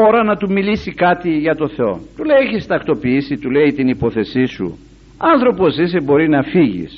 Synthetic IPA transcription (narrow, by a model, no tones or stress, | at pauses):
o̞ɾɐnɐt̪umilisikɐt̪iʝɐt̪o̞θe̞o̞̰t̪ulejeçist̪ɐkt̪o̞piisit̪ule̞it̪inipo̞θe̞sisṵ | ɐnθɾo̞po̞sis̬ebo̞ɾinɐfiʝḭs